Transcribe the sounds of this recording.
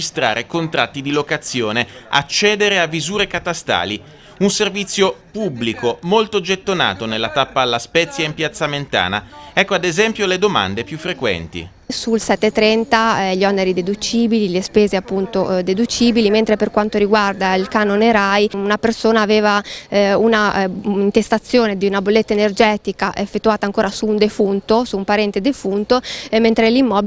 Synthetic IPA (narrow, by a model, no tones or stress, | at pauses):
ist̪ɾa̰ːɾekont̪ɾat̪ːid̪ilokat̪sːjoːnea̰t͡ʃːɛːd̪eɾeavːizuːɾekat̪ast̪a̰ːli | unservit̪sːjopubːlikomolt̪od͡ʒet̪ːona̰ːt̪onelːat̪apːaːlːaspɛt̪sːjaimpjat̪sːament̪a̰ːna̰ɛkːoad̪ezɛmpjoled̪oma̰nd̪epjufːɾekwɛ̰nt̪ḭ | sulsɛt̪ːet̪ːɾɛnt̪aʎɔnːeɾid̪ed̪ut͡ʃiːbililespeːzeapːunt̪od̪ed̪ut͡ʃiːbiliment̪ɾeperkwant̪oɾiɡward̪ailkaːnoneɾajunapersoːnaːveːvaunaint̪est̪at̪sːjoːned̪iunabolːet̪ːaenerd͡ʒɛːt̪ikaʔefːet̪ːuaːt̪aːŋkoːɾasuːnd̪efunt̪osuːmpaɾɛnt̪ed̪efunt̪oment̪ɾelimːɔb